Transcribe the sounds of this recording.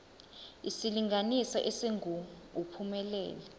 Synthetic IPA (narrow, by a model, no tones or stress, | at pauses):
isiliŋanisaʔɛseŋɡʱum | upʰumɛlɛ̰ːlɛ